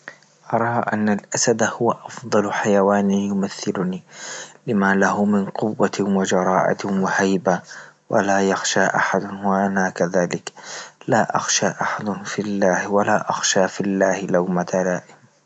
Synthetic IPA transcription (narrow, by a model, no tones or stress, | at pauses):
ʔɑɾˤɑːʔa̰nːalʔasad̪hʊwaʔɑfd̪ˤɑlħajawaːnijʊmaθːɪlʊniːlɪmaːlahʊmɪnqʊwːawad͡ʒɑɾˤɑːʔa̰wahajbawʔa̰laːjɑxʃaːʔa̰ħad̪ʊwaʔanaːkaðaːlɪklaːʔa̰xʃaːʔaħad̪ʊfilːaːhwalaːʔɑxʃaːfilːaːhɪlawmat̪alaːʔɪm